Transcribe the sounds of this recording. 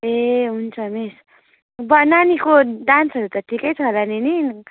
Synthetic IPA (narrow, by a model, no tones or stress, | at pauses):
eɦunt͡sʰʌmis | bʌnanikoɖansʌɾut̪ʌʈʰikʌjt͡sʰʌɦlanini